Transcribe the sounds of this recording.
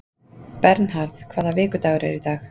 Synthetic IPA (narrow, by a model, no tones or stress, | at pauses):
pɛɾnhaɾðkʰv̥aːðavɪːkʏt̪aːwɾɛ̰ɾit̪aːx